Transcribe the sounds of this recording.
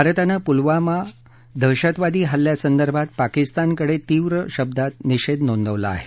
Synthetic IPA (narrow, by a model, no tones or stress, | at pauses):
bʱaɾət̪anapulʋama | d̪ʱəɕat̪ʋad̪iːɦalːjasənd̪əɾbʱat̪̚pakist̪ankəɽet̪iːʋɾəɕəb̚d̪at̪̚niɕed̪nond̪əʋla̰ːɦe